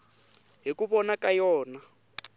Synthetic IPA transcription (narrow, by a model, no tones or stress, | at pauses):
ɦikuβɔnakajɔːna